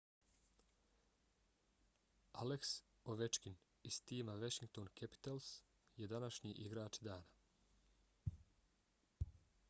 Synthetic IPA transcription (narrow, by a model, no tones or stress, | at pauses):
aleks | oʋet͡ʃkin | ist̪iːmaʋaʃiŋk̚t̪oːnkʰepi̥t̪els | jed̪anaʃɲiːʔiɡɾaːt͡ʃd̪aːna